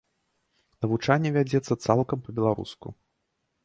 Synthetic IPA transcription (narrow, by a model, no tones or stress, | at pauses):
nɐvut͡ʂanʲːɛvʲad͡zʲɛt̪sːɐt̪salˠkɐmpɐbʲɛlˠaɾṵskṵ